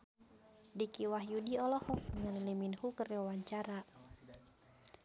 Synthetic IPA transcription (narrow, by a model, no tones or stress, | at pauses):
dikiwahjudiɔlɔhɔkŋaniliminhukərwawaɲt͡ʃaɾa